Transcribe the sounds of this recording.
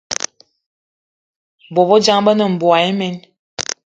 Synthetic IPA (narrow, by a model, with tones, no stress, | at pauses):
bo˨βɔ˦d͡ʒa˦ŋbə˦nə˨m̩˨bo˨a˨e˦mɛ˦n